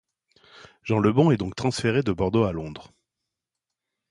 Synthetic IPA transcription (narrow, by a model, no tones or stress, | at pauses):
ʒ̥ɑ̃ləbɔ̃ɛd̪ɔ̃k̚t̪χɑ̃sfeʁed̪əbɔʁd̪oalɔ̃d̪ʁ